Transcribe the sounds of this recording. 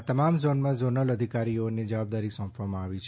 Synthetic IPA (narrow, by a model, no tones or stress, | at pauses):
t̪əmamzonmãzonələd̪ʱikaɾioned͡ʒəʋab̚d̪aɾisɔ̃pʰʋamãaʋit͡ʃʰ